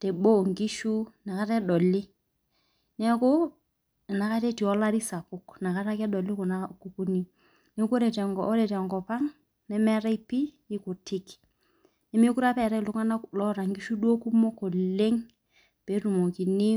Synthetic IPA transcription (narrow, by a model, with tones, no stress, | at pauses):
tɛ˨bo˦˨ŋɡi˦ʃu˦na˨ka˦tɛ˦dɔ˨lɪ˦ | nɛ˦a˦kɔ˦˨ | na˨ka˦te˦ti˨ɔ˦la˦ɾi˦sa˨pʊ˦kna˨ka˦ta˦kɛ˦dɔ˨lɪ˦kɔ˨na˦ku˨ku˦ni˦ | ne˦kɾɛ˨tɛ˨ŋɡɔɔ˦ɾɛ˨tɛ˨ŋɡɔ˨pa˦ŋ | nɛ˦mɛ˦ɾɛ˦i˦pi˦ | ɪ˦kʊ˨tʰɪ˦k | nɛ˦m˦e˦ku˦ɾa˦pɛ˨ɾɛ˦˨lʊ˨˦ŋa˦na˦lɔ˦ɾa˨ŋɡi˦ʃu˦du˦o˦ku˦mɔ˦kɔ˨le˦ŋ | pe˨˦ɾu˨mo˨ki˨nɪ˦